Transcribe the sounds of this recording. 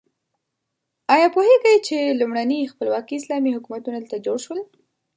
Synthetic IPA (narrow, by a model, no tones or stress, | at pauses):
ɑjɑpoheɡajt͡ʃelumɽanixpəlwɑkiɪslɑmihʊkumat̪unalt̪ad͡ʒoɽʃwəl